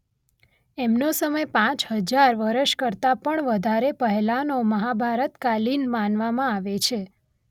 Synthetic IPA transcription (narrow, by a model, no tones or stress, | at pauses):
emnosəməjpãt͡ʃɦəd͡ʒaɾʋəɾəʃkəɾt̪apəɳʋəd̪ʱaɾepəɦɛlanoməɦabʱaɾət̪kalinmanʋamãaʋet͡ʃʰe